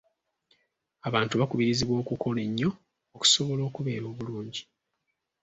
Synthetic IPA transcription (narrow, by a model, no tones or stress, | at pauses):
aβaːntuβakuβiɾiziβwo̞ːkuko̞le̞ɲːo̞ː | ku̥so̞βo̞lo̞ːkuβe̞ːɾo̞ːβuluːɲɟi